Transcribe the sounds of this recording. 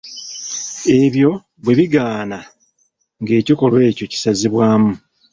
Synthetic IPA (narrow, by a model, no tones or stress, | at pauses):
e̞βjo̞ | βwe̞βiɡaːna | ŋɡe̞ːciko̞lwe̞ːco̞ci̥saziβwaːmu